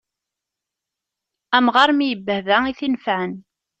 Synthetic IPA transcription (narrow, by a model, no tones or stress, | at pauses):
æmʁɑɾmijəbːəhðæiθinfaʕən